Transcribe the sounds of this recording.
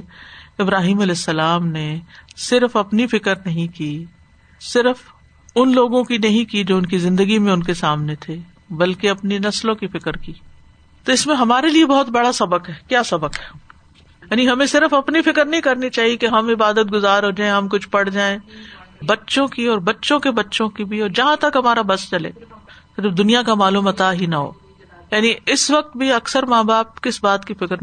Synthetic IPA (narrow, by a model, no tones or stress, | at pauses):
ɪbɾaːɦiːmɐlɛːsːɐlaːmnesɪɾfɐpnifɪkəɾnɐɦĩkiː | sɪɾf | ʊnloːɡõkinɐɦĩkid͡ʒoːʊnkizɪ̃nd̪əɡimẽʊnkesaːmnet̪ʰe | bɐlkeɐpninɐslõkifɪkəɾkiː | t̪oɪsmẽɦɐmaːɾeliebɔɦʊt̪̚bɐɽasɐbəkɦɛːkjaːsɐbəkɦɛː | jaːniɦɐmẽsɪɾəfɐpnifɪkəɾnɐɦĩkɐɾnit͡ʃaːɦiekeɦɐmɪbaːd̪ət̪̚ɡʊzaːɾɦoːd͡ʒaːẽɦɐmkʊt͡ʃʰpɐɽ̤d͡ʒaːẽbɐtːʃõkiɔːɾbɐtːʃõkebɐtːʃõkibʱiɔːɾd͡ʒɐɦãt̪ɐkɦɐmaːɾabɐst͡ʃɐlḛːt̪od͡ʒɐbd̪ʊnijakamaːluːmɐt̪aɦinɐɦo̰ː | jaːniɪsʋɐk̚t̪̚bʱiɐksəɾmaːbaːp̚kɪsbaːt̪kifɪkɾ